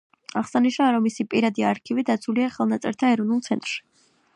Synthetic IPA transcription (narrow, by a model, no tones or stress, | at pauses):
aʁsaniʃnaɾɔmːisipʼiɾad̪iaɾkʰivid̪at̪sʰuliaχɛlˠnat̪sʼɛ̰ɾt̪ʰaɛɾɔnulˠt̪sʰɛnt̪ʼɾʃi̥